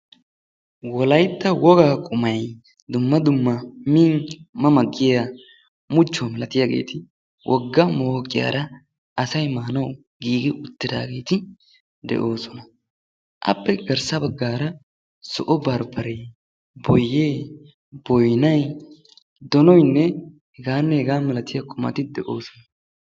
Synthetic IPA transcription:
wɔlɐjt̪ːɐwɔɡaːkʼʊmɐj | d̪ʊmːɐd̪ʊmːɐmiŋmɐmɐɡːɪja | mʊt͡ʃːɔmɛlɐt̪ɪjaɡḛːt̪ʰɪ | wʔɔɡːɐmoːkʼːɪja̰ːɾɐ | ɐsɐjmaːnɐw | ɡiːɡɪʔʊt̪ːɪd̪a̰ːɡe̞ːt̪ɪ | d̪ɛ̰ʔo̞ːsɔnɐ | ʔɐ̰pːɛɡɐɾsɐbɐɡːaːɾɐ | sɔ̰ʔɔbɐɾbɐɾɛ | bɔjːeː | bɔjnɐj | d̪ɔnɔjnːɛ | hɛɡaːnːɛhɛɡaːmɛlɐt̪ɪjɐkʼʊmɐ̰t̪ɪd̪ɛʔo̞ːsɔnɐ

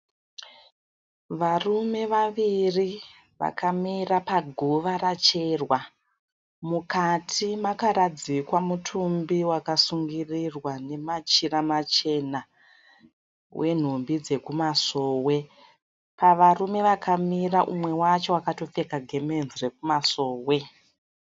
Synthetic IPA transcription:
ʋarume̞ʋaʋiri | ʋa̰kamirapaɡʱoʋaɾat͡ʃe̞rwa | mukatʰimakaɾad͡zikwamutʰumbiwakasuŋɡirirwane̞mat͡ʃiramat͡ʃe̞na | wʔe̞n̤umbid͡ze̞kumaso̞ːwe̞ | paʋarume̞ʋakʰamiraʔumwe̞wat͡ʃo̞wakato̞fe̞kaɡʱe̞me̞nzre̞k̚umaso̞ːwe̞

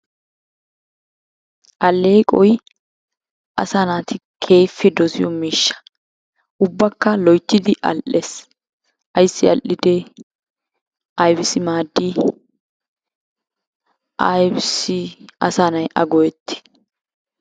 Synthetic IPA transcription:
ʔɐlːeːkʼɔj | ʔɐsanaːt̪ɪkʰeːfːɪd̪ɔzɪjɔmiːʃːɐ̥ | ʔʊbːɐkːɐlɔjt̪ːɪd̪ɪʔɐ̰lʔes | ʔɐjsːɪɐlʔːɪd̪ɛ | ʔɐjbɪsɪmaːd̪ːɪ | ʔɐjbsɪɐ̰saːnɐjʔɐɡɔjɛt̪ːɪ̥

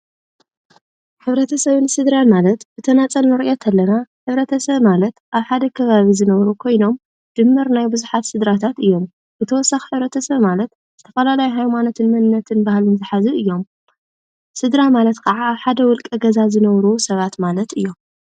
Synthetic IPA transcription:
ħɨβɾɐt̪ʰɐsɐβɨnsɨd̪ɾanmalɐt̪bɨt̪ʰɐnat͡sʼɐlnɨɾiʔet̪ʰalːɐnaħɨβɾɐt̪ʰɐsɐβmalɐt̪ʔaβħad̪ɐkʰɐβaβizɨnɐβɾukʰo̞jno̞m | d͡ʒ̪̥ɨmːɨɾnajbɨzuħat̪sɨd̪ɾat̪ʰat̪ɨjːo̞m | bɨt̪ʰɐwɔsːaxiħɨβɾɐt̪ʰɐsɐβmalɐt̪ | zɨt̪ʰɐfɐlalajuɦajmanot̪ʰɨnmɐnɨnːɐt̪ʰɨnbahalɨnzɨħazɨɨjːo̞m | sɨd̪ɾamalɐt̪kʰɐʕaːβħad̪ɐwɔlkʼɐɡɐzazɨnɐβɾusɐβat̪malɐt̪ɨjːo̞m

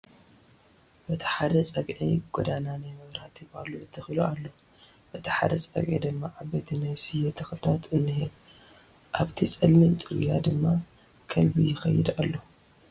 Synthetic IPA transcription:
b̥ɐt̪ʰɐ̥ħad̪ɐt͡sʼɐɡʕḭɡ̥od̪ananajmɨβɾhat̪ʰibaluɨt̪ʰːɨxilualːo | b̥ɐt̪ʰɐ̥ħa̰d̪ɐt͡sʼɐ̰ɡʕḭd̪ɨmːaʕabɐt̪ʰinajsɨjːɛt̪ʰɐxlt̪ʰat̪ɨnːih | ʔaβt̪ʰit͡sʼɨlːimt͡sʼɨɡjad̪ɨmːa | kʰɐlbijɪxɐjːɪd̪a̰lːo

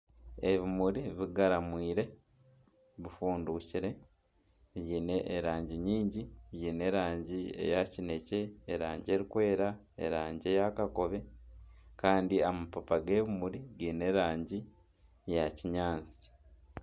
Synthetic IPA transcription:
eβimuɾiβiɡaɾamwiːɾe̞ | βifuːnduciɾe̞ | βjiːne̞ʔːɾaːɲɟiɲiːɲɟiβjiːne̞ɾaːɲɟie̞̰jacine̞ce̞ːɾaːɲɟie̞ɾikwe̞ːɾa | ḛɾaːɲɟe̞jakako̞βe̞ | kaːndiamapapaɡe̞ːβimuɾiɡiːne̞ɾaːɲɟi | jaciɲaːnt͡si̥

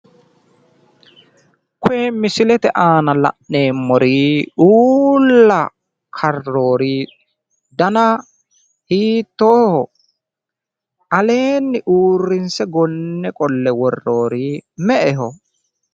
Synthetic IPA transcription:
kʊeːmɪsɪlɛt̪ɛʔaːnɐlɐ̰ʔne̞ːmːɔɾiːʔuːlːɐ | kʰɐro̞ːɾi | d̪ɐnɐ | hiːt̪ːoːhɔ | ʔɐle̞ːnːɪʔuːrːɪnsɛɡɔnːɛkʼɔlːɛwɔrːo̞ːɾɪmɛʔɛɦɔ

